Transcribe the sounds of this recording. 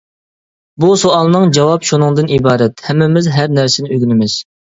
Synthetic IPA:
busoɑlˠnɨŋd͡ʒɑwɑpʃunɨŋd̪ɨnibɑːɾɛt̪hɛmːɪmɪzɦæɾnæɾsɪnɪøɡʲynɪmɪz̥

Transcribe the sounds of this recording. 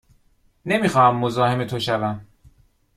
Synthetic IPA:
ne̞miːxɒːhæmːozɒːhe̞me̞t̪ʰo̞ʃævæm

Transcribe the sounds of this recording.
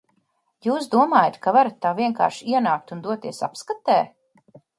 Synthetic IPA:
juːsd̪uɔmaːjat̪kavaɾat̪ːaːviɛŋka̰ːɾʃiɛnaːk̚t̪und̪uɔt̪iɛsa̰pskat̪ɛː

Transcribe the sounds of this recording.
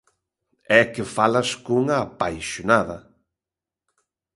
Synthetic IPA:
ɛkɪfalaskuŋaːpajʃonaðɐ

